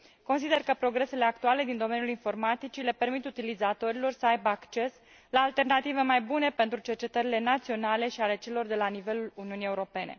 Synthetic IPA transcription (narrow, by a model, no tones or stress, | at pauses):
ko̞ns̬id̪e̞rkəpɾo̞ɡɾe̞se̞le̞akt̪uale̞d̪ind̪o̞me̞njulinfo̞rmat̪it͡ʃile̞pe̞rmit̪ut̪ilizat̪o̞ɾilo̞rsəajbəakt͡ʃe̞s | laːlt̪e̞rnat̪ive̞majbune̞pe̞nt̪ɾut͡ʃe̞rt͡ʃe̞t̪əɾile̞nat̪sio̞nale̞ʃiale̞t͡ʃe̞lo̞rd̪e̞lanive̞luluniunije̞uɾo̞pe̞ne̞̰